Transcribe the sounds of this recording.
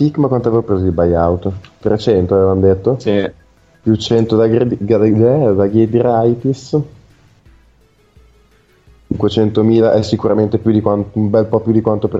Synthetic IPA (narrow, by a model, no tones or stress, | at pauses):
sikːmakwant̪oavevopɾeːzod̪ibajawt̪t̪ɾet͡ʃɛnt̪oaveːvand̪et̪ːoi | pjut͡ʃɛnt̪od̪aɡeɡɛd̪aɡed̪iɾajt̪is | t͡ʃiŋkwet͡ʃɛnt̪omiːlaʔɛsːikuɾament̪epjud̪ikwanumbɛlpɔpjud̪ikwant̪op